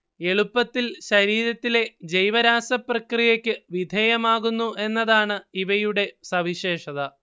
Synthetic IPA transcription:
e̞ɭupːɐt̪ːilɕɐɾiːɾɐt̪ːile̞d͡ʑejʋɐɾaːsɐprɐkrijɐkʲːɨʋid̪ʱeːjɐmaːɣunːuʔe̞nːɐðaːɳɨiʋɐjuɽe̞sɐʋiɕe̞ːʂɐðɐ

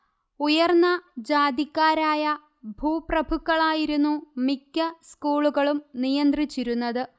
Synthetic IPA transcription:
ujɐrnːɐd͡ʑaːd̪ikːaːɾaːjɐ | bʱuːprɐbʱukːɐɭaːjiɾunːumikːɐskuːɭuɣɐɭumnijɐnd̪rit͡ɕːiɾunːɐðɨ

